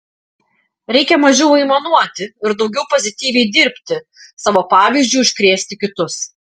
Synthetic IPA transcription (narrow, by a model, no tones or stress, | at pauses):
ɾʲɛɪkʲɛmɐʒʲɛʊɪmɐnuɔt̪ʲɪɪɾd̪ɒʊɡʲɛʊpɔzʲɪt̪ʲiːʋʲɛɪd̪ʲɪɾʲpʲt̪ʲɪ | sɑːʋoːpɑːʋʲiːˑzʲd͡ʒʲuːʊʃʲkɾʲeːsʲt̪ʲɪkʲɪt̪ʊs